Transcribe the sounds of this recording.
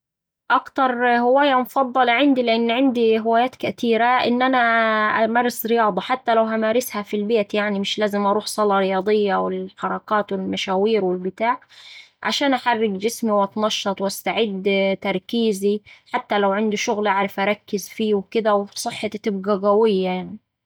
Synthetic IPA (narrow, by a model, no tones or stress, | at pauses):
ʔakt̪ɑɾˤhɪwaːjamʊfɑd̪ˤːɑlʕɪnd̪ilɪʔɪnːʕɪnd̪iɦɪwaːjaːt̪kat̪iːɾaʔɪ̰nːʔanaʔmɑrˤːɑsɾɪjɑːd̪ˤɑħat̪ːalawʔamaːɾɪshafilbeːt̪jaʕnimɪʃlaːzɪmʔɑɾˤuːħsˤɑlɑɾɪjɑːd̪ˤɪjːawɪlħɑɾˤɑkaːt̪wɪlmaʃaːwiːɾwɪlbɪt̪aːʕʕa̰ʃaːnʔaħarːɪɡd͡ʒɪsmiwʔɑt̪nɑʃːɑt̪ˤwʔast̪aʕɪd̪t̪ɑɾˤkiːziħat̪ːalawʕɪnd̪uʃʊɣlʔaʕɾˤɪfʔɑɾˤɑkːɪzfiːwkɪd̪awsˤɨħːɑt̪ɪbɡaɣawɪjːajaʕni